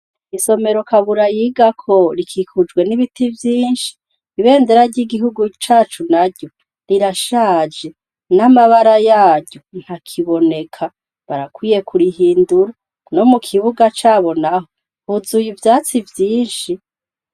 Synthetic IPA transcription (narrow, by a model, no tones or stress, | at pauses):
iso̞me̞ɾo̞kaβuɾajiɡakʰo̞ɾikʰikʰud͡ʒɡwe̞niβitʰivjiːnʃi̥ː | βe̞ːndeɾaɾɟiɡiɦuɡut͡ʃaːt͡ʃunaɾɟo̞ | ɾiɾaʃaːd͡ʒe̞ | namaβaɾajaːɾɟo̞n̥hakʰiβo̞ne̞kʰa | βaɾakwiːje̞kʰuɾiɦiːnduɾa | no̞mukʰiβuɡat͡ʃaːβo̞naɦo | huzujivjaːt͡sivjiːnʃi